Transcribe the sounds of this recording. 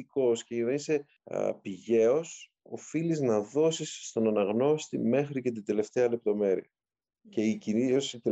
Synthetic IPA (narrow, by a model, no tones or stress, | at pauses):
iko̞sceinɐnise̞̰ | piʝe̞o̞s | o̞̰filiznɐðo̞sisːt̪o̞nɐnɐɣno̞st̪ḭme̞xɾice̞t̪̬ind̪e̞le̞ft̪e̞ɐle̞p̚t̪o̞me̞ɾḭɐ | ce̞iciniosit̪